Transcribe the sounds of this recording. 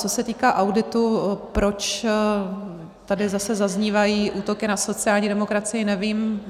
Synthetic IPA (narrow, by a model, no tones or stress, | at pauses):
t͡so̞sɛt̪iːkaːʔawdɪt̪upɾo̞t͡ʃ | t̪adɪzasɛzazɲiːvajiːʔuːt̪o̞kɪnaso̞t͡sɪaːlɲiːdɛmo̞kɾat͡sɪjɪnɛviːm